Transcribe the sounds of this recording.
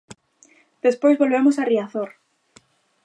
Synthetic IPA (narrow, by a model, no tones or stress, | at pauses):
d̪̥espojzβolβemosariaθoɾ